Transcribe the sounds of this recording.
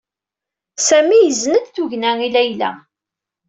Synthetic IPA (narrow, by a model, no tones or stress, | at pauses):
sæmijəzːnəd̪θuʝnæilæjlæ̰